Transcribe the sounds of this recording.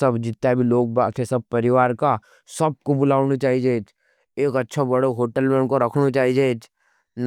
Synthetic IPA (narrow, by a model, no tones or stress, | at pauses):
sɐbd͡ʒɪt̪ːabʱiloːɡ̚baːesɐb̚pɐɾɪʋaːɾka | sɐb̚kobʊlaːʊnot͡ʃaːɦid͡ʒeːd͡ʒ | eːkɐtːʃʰobɐɽoɦoːʈəlmɛ̃ɳkoɾɐkʰnot͡ʃaːɦid͡ʒeːd͡ʒ | n